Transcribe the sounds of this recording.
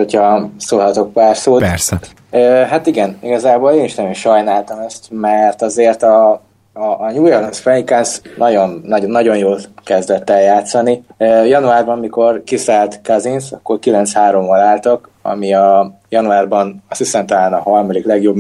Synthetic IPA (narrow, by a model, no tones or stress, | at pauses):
ho̞cʰhɒsoːlɦɒt̪o̞k̚paːrsoːɛɾsɛ | øːɦat̪iɡɛniɡɒzaːboːleːniʃnɛjeʃɒjnaːlt̪ɒmɛst̪mɛrt̪ɒzeːrt̪ɒː | ɲuːjɛrlɛnsfɛikansnɒɟo̞nːɒonːɒɟo̞njoːlkɛzd̪ɛt̪ːɛljaːt̪sɒniøːjɒnuaːrbɒmmiko̞rkisaːlt̪kɒzinsɒ̰kːo̞rkilɛnt̪shaːɾo̞mːɒlaːlt̪ok | ɒ̰miɒjɒnuaːrbɒnɒsisɛmt̪ɒlaːnɒɦɒrmɒliklɛɡjo̞b